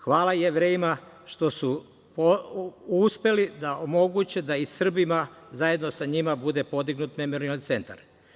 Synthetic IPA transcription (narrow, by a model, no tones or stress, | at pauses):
xʋaːlajeʋɾeːjima | ʃt̪o̞su | pouspe̞lid̪aʔomo̞ɡut͡ɕed̪aisr̩bimazaje̞d̪no̞saɲimabud̪e̞po̞d̪iɡnut̪me̞mo̞ɾialt̪se̞nt̪a̰ɾ